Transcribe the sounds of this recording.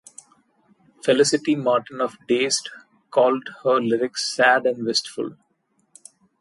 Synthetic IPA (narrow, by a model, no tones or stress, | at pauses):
fɛlɪsɪʈimɔːɾʈə̃nɔfɖeːsʈ | kɔːlɖhəɾlɪɾɪksːæːɖæ̃ɳɖʋɪsʈfʊ̰l